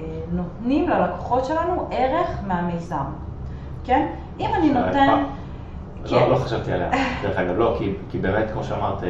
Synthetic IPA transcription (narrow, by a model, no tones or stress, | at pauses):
no̞tnimlelako̥χo̞tʃe̞lanuʔeʁe̞χmeamejzam | ken | imaninoten | loloχaʃavt̪ia̰lea̰deeχaɡavlo̞kikibeːmet̪kmo̞ʃeamaʁt̪i